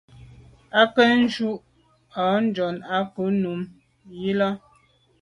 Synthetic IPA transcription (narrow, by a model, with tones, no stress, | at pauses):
a˦kɛ˦n̩˦d͡ʒu˦ʔ | a˨˦n̩˦d͡ʒɔ˨na˦ku˨˦nu˨˦m | ji˦la˦